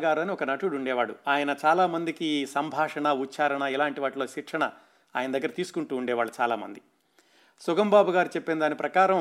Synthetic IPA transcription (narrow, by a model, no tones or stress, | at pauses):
ɡaːɾuɐniɔkɐnɐʈuɽuɳɖɛːʋaːɽṵaːjɐnɐt͡ʃaːlaːmɐnd̪ikisɐmbʱaːʂɐɳɐut͡ʃːaːɾɐɳɐilaːɳʈiʋaːʈloːʃikʂɐɳɐ | a̰ːjɐnɐd̪ɐɡːɐɾɐt̪iːsu̥kuɳʈuːɳɖɛːʋaːɽut͡ʃa̰ːla̰ːmɐ̰nd̪i | suɡɐmbaːbuɡaːɾut͡ʃɛpːend̪aːnipɾɐkaːɾɐm